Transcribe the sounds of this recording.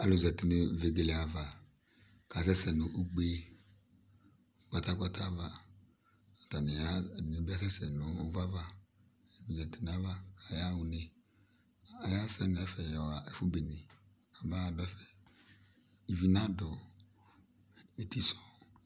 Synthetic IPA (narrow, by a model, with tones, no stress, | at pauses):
a˨lo˨zɛ˨ti˨ne˨ve˨ɡe˨le˨a˨va˨ | ka˨s̬ɛ˦sɛ˨nu˨ʔu˦ɡ͡be˦ | ka˨ta˦ka˦tʰa˦va˨ | ɔ˨ta˨n˨ja˦˨n˨˦bi˦a˦s̬ɛ˦sɛ˨nuː˨˦va˦va˦˨ | u˨zɛ˨ti˨n˨a˦va˦kʰa˨ja˦wu˨ne˨ | a˨ja˦sɛ˦n˨ɛ˦fɛ˨jɔ˨a˨ɛ˨fu˦be˨ne˨ | a˨ba˦a˨dɔ˨˦ɛ˦fɛ˨ | i˨vi˨na˦dɔ˨ | e˨ti˦sɔ˨